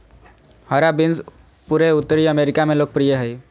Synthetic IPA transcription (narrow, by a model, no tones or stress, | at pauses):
həɾabɪns | puɾeʊt̪ːəɾiəmeːɾɪkamẽloːɡ̚pɾijəɦɛj